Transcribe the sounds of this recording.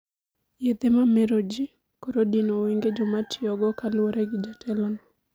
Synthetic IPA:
jed̪emameɾod͡ʒi | kɔɾodinowiŋɡed͡ʒɔmatʰɪɔɡɔkalwoɾeɡid͡ʒatʰɛlɔnɔ

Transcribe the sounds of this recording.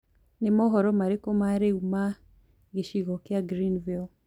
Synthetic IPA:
nɪmɔɦɔɾɔmaɾekɔmaɾeuma | ɡeʃiɣɔkɪaɡɾinvil

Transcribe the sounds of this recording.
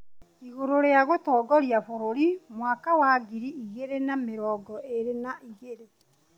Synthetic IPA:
iɣoɾoɾeaɣotɔːɡɔɾjafoɾoɾimwaːkawaːɡiɾiiɣeɾenameɾɔːɡɔʔeɾenaʔiɣeɾe

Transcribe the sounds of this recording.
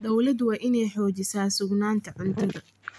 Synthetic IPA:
d̪ɐwlɐd̪wɑːʔɪnɛjħɔːt͡ʃɪsaːsʊɡnaːnt̪ʰɐʕʊnt̪ʰɐðɐ

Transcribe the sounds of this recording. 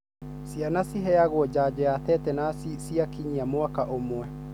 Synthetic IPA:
sianasiɦɛaɣwɔd͡ʑaːd͡ʑɛjatɛtɛnasisiakiɲiamwakaʔomwɛ

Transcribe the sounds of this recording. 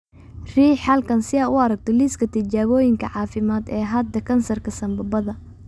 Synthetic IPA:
r̥iːħɐlkʰɐnsɪɐʊɐɾɐɡ̚t̪ʰɔliskʰɐt̪ʰɪt͡ʃaːβɔːjɪŋkʰɐʕɑːfɪmaːd̪ɛːɦɐd̪ɐkʰɐnsɐrkʰɐsɐmbɐbɐðɐ

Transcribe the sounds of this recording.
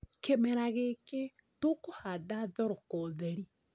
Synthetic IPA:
kemɛɾaɣeke | tokohadaðɔɾɔkɔðɛɾi

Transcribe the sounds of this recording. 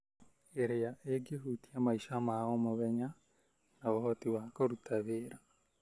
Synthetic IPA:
eɾejaʔeɡeɦutiamaiʃamaomoβɛɲa | naβoɦɔtiwakoɾutʰaβeːɾa

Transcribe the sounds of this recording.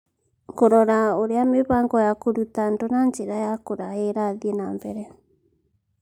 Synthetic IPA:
ŋkoɾɔɾaoɾeameβaːŋɡɔjakoɾutandonand͡ʒeɾajakoɾaeɾaðiɛnambɛɾɛ

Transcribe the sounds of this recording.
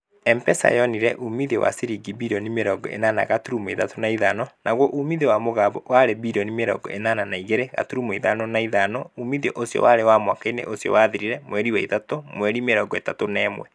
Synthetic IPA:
ɛmpɛsa̰jɔniɾɛʔumiðewa̰siɾiɡibiɾɔnimeɾɔɡɔ̰ʔḛnana̰ɣatuɾumoetatonaiðanɔnaɣwɔʔumiðewamoɣaːβɔwaɾebiɾɔnimeɾɔ̰ɡɔ̰ʔenaːnanaiɣeɾeɣa̰tuɾumoiðanɔnaiðanɔumiðeʔosjɔ̰waɾewamwakainḛʔosjɔ̰waðiɾiɾɛmwɛɾiwɛitatomwɛɾimeɾɔɡɔetatonɛːmwɛ

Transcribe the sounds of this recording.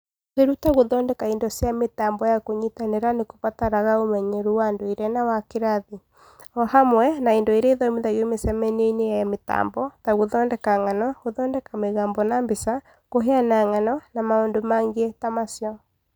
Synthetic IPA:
eɾutaɣoðɔːndɛkaendɔsjametaːmbɔjakoɲitaneɾanekopataɾaɣaomɛɲɛɾuwandoeɾɛnawakeɾaði | ɔhamwɛnaendɔiɾɛiðɔimiðaiomesɛmɛneinejajameta̰ːmbɔtaɣoðɔːndɛkaŋanɔɣoðɔːndɛkameɣaːmbɔnambesa | koɦeanaŋanɔnamaondomaŋɡeɛtamasjɔ

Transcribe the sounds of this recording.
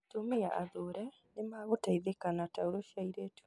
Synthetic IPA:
tomea̰ʔa̰ðoɾɛ | nemaːɣotaiðekanatauɾoʃaiɾetu̥

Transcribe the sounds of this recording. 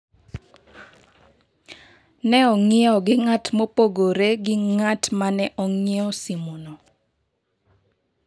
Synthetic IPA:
nɛɔŋɪɔɡɪŋatmopoɡoɾeɡɪŋatmanɛʔɔŋɛɔsimuno

